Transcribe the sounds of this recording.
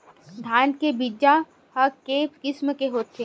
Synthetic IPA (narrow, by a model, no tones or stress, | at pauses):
d̪ʱaːnkebid͡ʒa | həkekɪsməkeɦoːt̪ʰːeː